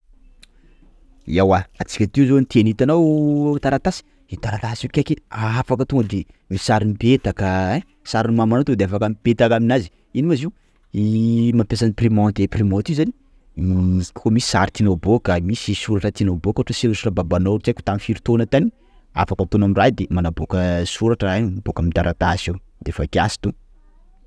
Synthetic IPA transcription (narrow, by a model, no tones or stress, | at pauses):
iawaat͡si̥kʲət̪iuzonit̪ʰenit̪anawt̪aɾat̪asi̥ | it̪aɾat̪asikʲakʲeafakət̪oŋɡəd̪e | mi̥saɾinipet̪akəɛ | saɾinimamanot̪ed̪eafakampet̪akaminazi̥ | inimaziw | imampjasaniprimɔ̃t̪eprimɔ̃t̪iuzani̥ | muzi̥kʲkomisi̥saɾit̪inobokamisisuɾaʈ͡ʂət̪inobokaaʈ͡ʂəselusurababanoit͡ʃajkʲu̥t̪amifiɾit̪onət̪ani | a̰fakət̪onamirajd̪emanabokəsuɾaʈ͡ʂəannabokamid̪aɾʔat̪asew | d̪̥efakʲasi̥t̪u